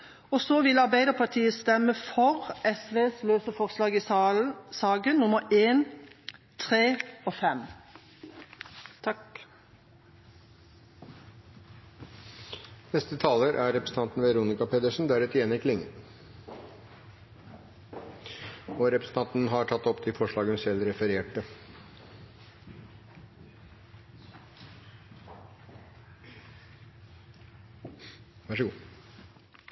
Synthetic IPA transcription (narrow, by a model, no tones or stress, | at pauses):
ɔsoːʋɪlɑʁbæɪd̪əʁpʰɑt̪ʰiːəst̪ɛməfɔʁʔɛsʋeːsløːsəfɔʁslɑːɡiːsɑːɡənnʊməeːn | t̪ʰʁeːoːfɛm | t̪ʰɑk | nɛst̪ət̪ʰɑːləɾʔæɾɛpɾəsn̩ʰɑnt̪n̩ʋɛɾuːnɪkɑpʰeːd̪əʂn̩d̪æɾɛt̪ɪɛːnɪkʰlɪŋə̰n | ɔɾɛpɾəsn̩t̪ɑnt̪n̩ɦɑʈʰɑt̪ːɔpt̪ʰɪfɔʂɭɑːɡənsɛlɾɛfəɾeːʈə | ʋæʂəɡuː